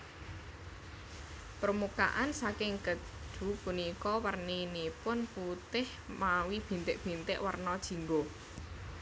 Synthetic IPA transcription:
pɾəmuka̰ʔansakɪŋkədɖ̥ṳpunikɔwərninipʊnput̪ɪh | mawib̥i̤nt̪ɪʔb̥i̤nt̪ɪʔwərnɔd̥ʒ̥i̤ŋɡo

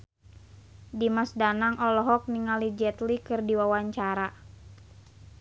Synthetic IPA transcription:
dimasdanaŋɔlɔɦɔk̚niŋalid͡ʒɛt̪likɨrdiwawaɲt͡ʃaɾa

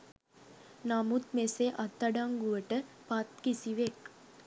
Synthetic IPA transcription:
namut̪meseʔat̪ːaɖaŋɡuʋəʈəpat̪kisiʋek

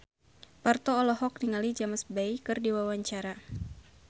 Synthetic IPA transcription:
part̪ɔːlɔɦɔk̚niŋalid͡ʒamasbajkɨrdiwawaɲt͡ʃaɾa

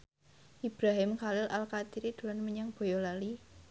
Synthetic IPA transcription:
ʔib̥ɾaɦɪmkalɪlalkat̪iɾid̪̥ṳlanməɲaŋb̥o̤jɔlali

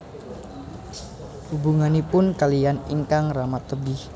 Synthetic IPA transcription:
hubuŋanipʊnkalijanḭŋkaŋramat̪ːəbɪh

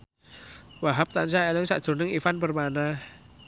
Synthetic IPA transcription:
waɦap̚t̪ansaelɪŋsa̰ʔd̥ʒ̥o̤nɪŋifanpərmanah

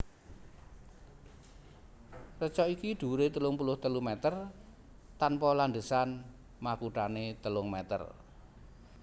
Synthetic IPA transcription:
rət͡ʃɔikiɖ̪̥ṳɾet̪əlʊŋpulʊht̪əlumɛt̪ər | t̪anpɔlaɳɖ̪əsan | makuʈanet̪əlʊŋmɛt̪ə̰r

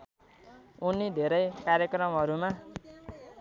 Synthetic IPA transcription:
unid̪ʱeɾʌjkaɾjʌkrʌmɦʌɾuma

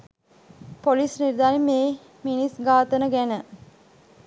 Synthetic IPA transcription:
polisniɾd̪aːɾimeː | minisɡaːt̪ənəɡænə

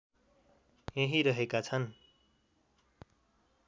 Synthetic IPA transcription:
jeɦiɾʌɦekat͡sʰʌn

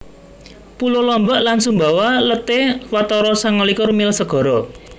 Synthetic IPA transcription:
pulolɔmbaʔlansumbawalət̪ewat̪ɔɾɔsaŋɔlikɔrmilsəɡ̥ɔ̤ɾɔ

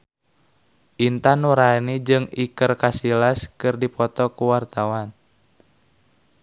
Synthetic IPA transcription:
ʔint̪anuɾanid͡ʒɨŋikərkasilaskɨrdipɔt̪ɔkuwart̪awan

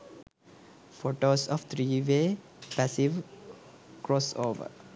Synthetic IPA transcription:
foːʈoːsɔʋt̪ʰɾiːʋeː | pæsiʋ | kɾɔːsoːʋə̰ɾ

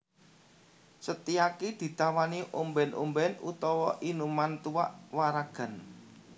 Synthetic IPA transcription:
sət̪iakid̪̥i̤t̪awaniʔumbɛnʔṵmbɛnut̪ɔwɔʔinumant̪uwaʔwaɾaɡ̥a̤n

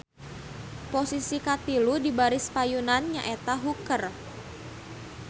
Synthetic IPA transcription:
posisikat̪iludibaɾɪsfajunanɲaʔɛt̪aɦukər

